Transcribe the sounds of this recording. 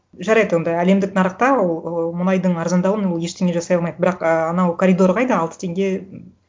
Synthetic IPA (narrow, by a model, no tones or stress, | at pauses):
ʒɑɾɑjd̪əwo̞nd̪ɑæle̞md̪ɪk̚nɑɾəqt̪ɑwolˠəmʊnɑjd̪əɴɑɾzɑnd̪ɑwənwolˠje̞ʃt̪ʰe̞ŋɡʲeʒɑsɑjɑlˠmɑjd̪əbɪɾɑqəɑnɑwkʰoɾʲid̪o̞ɾʁɑjd̪əɑlˠt̪ə̥t̪ʰe̞ŋɡʲe̞